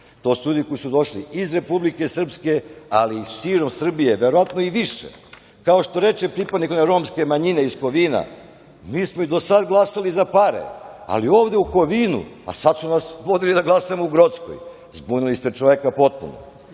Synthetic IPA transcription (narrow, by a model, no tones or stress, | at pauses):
t̪o̞ːsuʎuːd̪iko̞jisud̪o̞ʃliizɾe̞publike̞sr̩pske̞aliʃiːɾo̞msr̩bije̞ʋeɾoʋat̪noiʋiʃḛ | kao̞ʃt̪o̞ɾe̞t͡ʃepɾipad̪nikneɾo̞ːmske̞maɲineisko̞ʋiːna̰ | miːsmoid̪o̞sad̪ɡlˠasalizapaɾḛa̰lioːʋd̪e̞uko̞ʋiːnṵa̰sad̪sunasʋo̞d̪ilid̪aɡlˠasamouɡɾot̪sko̰j | zbunilist̪et͡ʃoʋekapo̞t̪̚pṵno̰